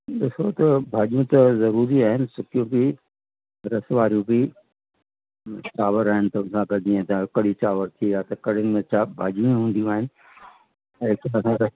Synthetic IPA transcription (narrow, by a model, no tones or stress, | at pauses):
ɗɪsot̪ɐbʱaːʄjũt̪ɐzɐɾuːɾiaːɦɪnɪ̆sʊkʰijũbɪ | ɾɐsʋaːɾijũbɪ | t͡ʃaːʋəɾaːɦɪnɪt̪ɐʋʊ̃nsãɡɐd͡ʒiːə̃t̪ʰãkɐɽit͡ɕaːʋəɾt̪ʰiat̪ɐkɐɽ̤ɪnɪ̆mẽt͡ʃabʱaːʄũĩɦũːnd̪ijũaːɦɪnɪ̆ | ɪkɐsãɾɐ